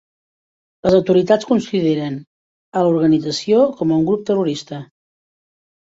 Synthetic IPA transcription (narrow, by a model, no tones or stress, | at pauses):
ləzəwt̪uɾit̪at͡skunsiðeɾən | əluɾɣənid͡zəsiokɔməuŋɡɾup̚t̪əruɾist̪ə